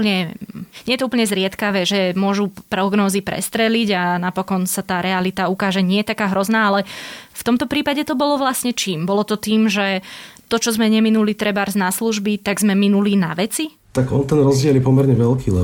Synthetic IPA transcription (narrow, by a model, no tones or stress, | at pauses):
pɲɛɲɛjɛt̪ɔup̬l̩ɲɛzɾɪɛt̪kaʋɛːʒɛmʊɔʒupɾɔɡnɔːzipɾɛ̰st̪ɾɛliɟanapɔkɔnsat̪aːɾɛalit̪aukaːʒɛɲɪɛjɛt̪akaːɦɾɔznaːalɛft̪ɔmt̪ɔpɾiːpaɟɛt̪ɔbɔlɔʋlasɲɛt͡ʃiːmbɔlɔt̪ɔt̪iːmʒɛt̪ɔt͡ʃɔzmɛɲɛminulit̪ɾɛbaɾznasluʒbit̪aɡzmɛminulinaʋɛt͡si | t̪aɡɔnt̪ɛnɾɔzɟɪɛljɛpɔmɛɾɲɛʋɛlkʰiːlɛ